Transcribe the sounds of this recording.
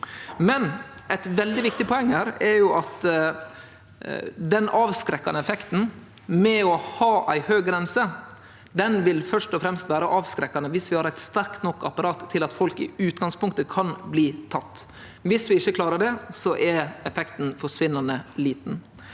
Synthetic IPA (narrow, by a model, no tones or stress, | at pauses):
mɛnɛɪt̪ʋɛld̪ɪʋɪk̚t̪ɪpʰɔɛŋːhæːɾɛɾjʊʔɑt̪ | d̪ɛnɑːʋskɾɛkːɑ̰nəɛfɛkt̪n̩ | mɛɔhɑːʔæɪhøːɡɡɾɛnsə | d̪ɛnʋɪlfœʂʈɔfɾɛmst̪ʋæːɾəʔɑːʋskɾɛkːɑnəʋɪsʋɪhɑɾæɪt̪st̪æɾkt̪nɔkːɑpɑɾɑːt̪ʰːɪlɑt̪fɔlkɪ̰ʉːt̪ɡɑŋspʊŋk̚t̪əkʰɑnbliːt̪ʰɑt̪ː | ʋɪsʋɪɪçːəkʰlɑːɾəɖɛsɔʔɛɾɛfɛkt̪n̩fɔʂʋɪnːɑnəliːt̪n̩